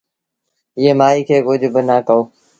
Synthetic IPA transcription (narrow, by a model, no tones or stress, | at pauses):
ɪɦeːmaːiːkʰeːkʊd͡ʒʱbənaːkəoː